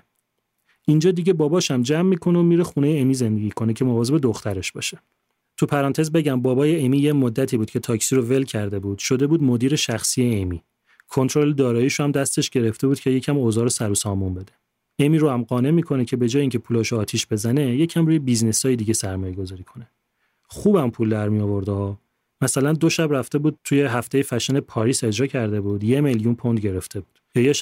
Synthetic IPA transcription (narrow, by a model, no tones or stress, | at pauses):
ind͡ʒɒːd̪iɟe̞bɒːbɒːʃæmd͡ʒæmːiːkʰo̞noːmiːɾexune̞jeemiːze̞nd̪e̞ɡiːkʰonecʰe̞movɒːze̞be̞d̪oxt̪æɾe̞ʃbɒ̰ːʃe̥ | t̪ʰupʰæɾɒːnt̪ʰe̞zbe̞ɟæmbɒːbɒːjeemiːjemod̪ːæt̪ʰiːbuːd̪̚cʰe̞t̪ʰɒːcsiɾove̞lcʰæɾd̪e̞buːd̪̥ʃo̞d̪e̞buːd̪mo̞d̪iːɾe̞ʃæxsijeemi | kʰo̞nt̪ʰɾo̞led̪ɒːɾɒːiːʃohæmd̪æst̪e̞ʃɟe̞ɾe̞ft̪e̞buːd̪̚cʰejecʰæmoːzɒːɾosæɾusɒːmumbe̞d̪e̞ | emiɾohæmɢɒːne̞miːkʰo̞necʰe̞be̞d͡ʒɒːjeiŋcʰepʰuːlɒʃoːt̪ʰiʃbe̞zæne̞je̞cʰæmruːjebiznesɒːjed̪iɟe̞sæɾmɒːjeɡo̞zɒːɾiːkʰo̞ne | χuːbæmpʰuld̪æɾmijɒːvo̞ɾd̪eɒː | mæsælænd̪o̞ʃæbræft̪e̞buːd̪̥̚t̪ʰujeɦæft̪e̞jefæʃenepʰɒːɾise̞d͡ʒɾɒːcʰæɾd̪e̞bud̪je̞me̞ljunpʰo̞nd̪ɟe̞ɾe̞ft̪ʰe̞buːd̪̥jɒːje